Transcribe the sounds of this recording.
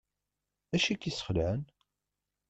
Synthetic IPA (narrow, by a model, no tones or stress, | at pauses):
æʃikːisə̥χəlʕən